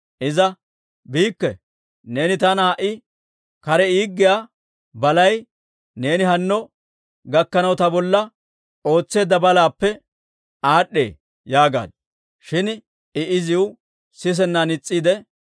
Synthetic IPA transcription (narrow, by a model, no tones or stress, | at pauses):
ʔɪzɐ | biːkːɛ | ne̞ːnɪt̪ɐnaːʔɪ | kɐɾɛiːɡːɪja | bɐlɐj | ne̞ːnɪɦɐnːɔ | ɡɐkːɐnɐwt̪ɐbɔlːɐ | ʔo̞ːt͡sːe̞ːd̪ːɐbɐlaːpːɛ | aːɗːe̞̰ː | jaːɡa̰ːd̪̚ | ʃɪn | ɪʔɪzɪʊ | sɪs̬ɛnːanɪt͡sʼːiːd̪ɛ